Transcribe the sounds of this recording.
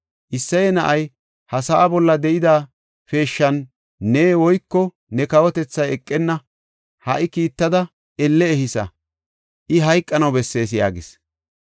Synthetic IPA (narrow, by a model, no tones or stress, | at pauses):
ʔɪsːɐjɛnɐʔɐj | hɐsɐʔːbɔlːɐd̪ɛʔɪd̪aː | fe̞ːʃːɐnː | eːwɔjkːɔ | nɛkɐwɔt̪ɛt͡sːɐjɛkʼːɛnːɐ | hɐʔɪkiːt̪ːɐd̪ɐ | ɛlːɛːhɪsɐ̰ | ʔɪɦɐjkʼːɐnɐwbɛsːe̞ːs̬ja̰ːɡɪs